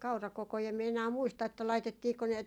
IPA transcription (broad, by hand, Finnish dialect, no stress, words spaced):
kɑurɑkokoi em mie enæː muistɑ etːæ lɑitetːiːko ne